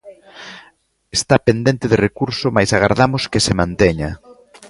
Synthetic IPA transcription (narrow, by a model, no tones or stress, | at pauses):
est̪apend̪ent̪ɪðɪrekuɾsʊmajsaɣ̞aɾðamʊskɪsemãnt̪eɲɐ